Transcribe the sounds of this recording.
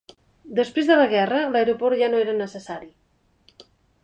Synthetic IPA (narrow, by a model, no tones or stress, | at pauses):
d̪əspɾezðələɣ̞ɛrələɾopɔɾʒanoeɾənəsəsaɾi